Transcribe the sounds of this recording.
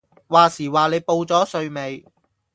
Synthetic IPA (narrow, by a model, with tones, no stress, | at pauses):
waː˨siː˨˩waː˨le˨˧jpo˧wt͡sɔː˨˥sɵ˧ɥme˨˧j